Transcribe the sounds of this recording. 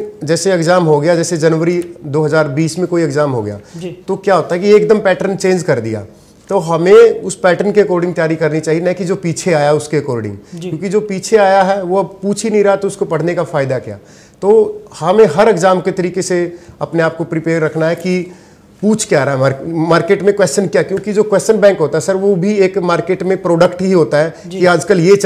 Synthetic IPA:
d͡ʒɛːseɪkzaːmɦoɡɐjad͡ʒɛːsed͡ʒɐnʋəɾid̪oːɦɐzaːɾbiːsmẽkoːiekzaːmɦo̰ɡɐja̰ːd͡ʒt̪okjaːɦoːt̪aɦɛkijeːk̚d̪əmpɛːʈəɾnt͡ʃẽːnd͡ʒkɐɾd̪ḭja̰ː | t̪oɦɐmẽʊspɛːʈəɾnkekoːɾɖɪ̃ŋɡ̚t̪ijaːɾikɐɾnit͡ʃaːɦienɐ̃kid͡ʒoːpiːt͡ʃʰeaːjaɦɛʊskekoːɾɖɪ̰̃ŋɡkjõːkid͡ʒoːpiːt͡ʃʰeaːjaɦɛʋoɐbpuːt͡ʃʰinĩɾɐɦat̪oʊskopɐɽ̤nekafaːɪd̪akija̰ː | t̪oːhɐmẽɦɐɾɪkzaːmket̪ɐɾiːkeseɐpneaːp̚kopɾɪpeːɾːɐkʰnaɦɛki | puːt͡ʃʰkjaːɾaɦɛaːɾmaːɾkeːʈmẽkwɛːst͡ʃənkjakjõːkid͡ʒoːkwɛːst͡ʃənbɛ̃ːŋkɦoːt̪aɦɛsɐɾʋobʱieːkmaːɾkeːʈmẽpɾoːɖəkʈɦiɦoːt̪aɦɛ | d͡ʒkiaːd͡ʒkəlje

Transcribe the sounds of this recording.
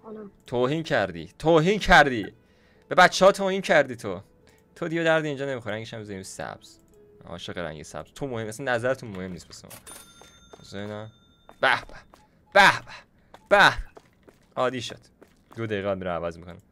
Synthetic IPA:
t̪ʰoːhiːncʰæɾd̪ḭːt̪ʰoːɦiːncʰæɾd̪i | b̥e̞bæt͡ʃːehɒːt̪ʰoːhiːncʰæɾd̪iːt̪ʰo | t̪ʰod̪iɟed̪æɾd̪iiːnd͡ʒɒːnemixoɾæŋɟeʃæmbezæɾiːmsæ̰b̥z̥ | ɒ̰ːʃeʁeɾæ̰ŋɟesæ̰b̥z̥t̪ʰomohemæsænːæzæɾet̪ʰunmohe̞mniːst̪̚besemɒ̰ | osenæ | b̥æhb̥æ | b̥æhb̥æ̥ | b̥æh | ɒːd̪iːʃo̰d̪̥ | d̪od̪æjiːɣebɒːd̪miɾævæzmikʰonæm

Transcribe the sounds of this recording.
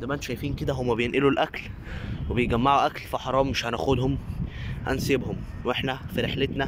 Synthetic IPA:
d̪æmʔænt̪ʃæjfiːnked̪æɦomːæbejenʔelulʔækl | webejɡæmːaʕuʔæklfiħɑɾˤɑːmːeʃhænæ̰xod̪homhæ̰nsebhomwʔeħnæfiɾeħlet̪næ

